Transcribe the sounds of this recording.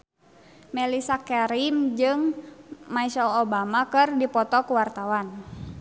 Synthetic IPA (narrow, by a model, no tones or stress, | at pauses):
mɛlisakɛɾimd͡ʒɨŋmaisalobamakɨrdipɔt̪ɔkuwart̪awan